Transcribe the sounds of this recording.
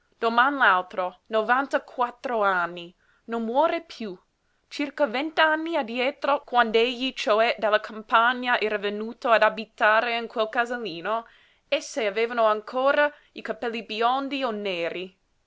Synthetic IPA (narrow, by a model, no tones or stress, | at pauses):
d̪̥omanlalt̪ɾonovant̪akʰwat̪ːɾoanːi | nonmwɔːɾepʰju | t͡ʃirkavɛnt̪anːiad̪jɛːt̪ɾokwand̪eʎːit͡ʃoɛd̪alːakʰampaɲːaʔɛːɾavenuːt̪oad̪abit̪aːɾeiŋkwelkazaliːno | ɛsːeaveːvanoaŋkʰoːɾa | ikapɛlːibjɔnd̪ionːeːɾi